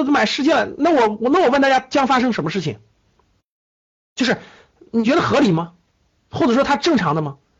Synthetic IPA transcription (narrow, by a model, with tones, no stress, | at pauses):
ma˨˩ɪʂɻ̩˥t͡ɕjɛ˥˩la˧na˥˩wɔ˨˩wɔ˨˩na˥˩wɔ˨˩wnt̪a˥˩ja˥t͡ɕjɑ˥ŋfa˥ʂ̬ɤ˥ŋʂə˧˥nmə˧ʂɻ̩˥˩t͡ɕʰɪ̰˩ŋ | t͡ɕjo˥˧ʊʂɻ̩˥˩ | ni˨˩t͡ɕɥɛ˧˥d̪ə˧xɤ˧˥li˨˩mɐ˦ | xo˥˩ʈ͡ʂɤ˨˩ʂwɔ˥t̪ʰa˥ʈ͡ʂɤ˥˩ŋʈ͡ʂʰɑ˧˥ŋd̪ə˧mɐ˧